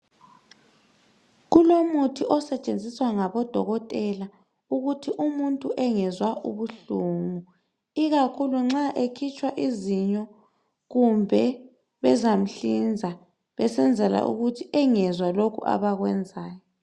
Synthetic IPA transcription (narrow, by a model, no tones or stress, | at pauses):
ɣulomutʰiʔɔsɛt͡ʃʼend͡zʱiswaŋaβɔd̥ʱɔɣɔtʼɛla | uɣutʰiʔumuntʼuʔɛŋɛzwaʔṵβuɬuːŋu | iɣakʰuluŋ͡ǁaʔekʰit͡ʃʰʼwaʔiziɲɔ | ɣumbʱɛ | βɛzam̩ɬind͡zʱa | βɛsɛnd͡zʱɛla̰ʔṵɣutʰiɛŋɛzwalokʰṵʔa̰βaɣwɛnd͡zʱaːjɔ